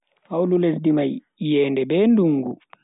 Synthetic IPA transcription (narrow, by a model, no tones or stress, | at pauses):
hawlules̬dimaj | jɛːndɛbɛːnduŋɡu